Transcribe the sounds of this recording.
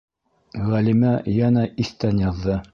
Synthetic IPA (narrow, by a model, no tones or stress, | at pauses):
ʁælimæjænæʔiθt̪ænjɑðːɤ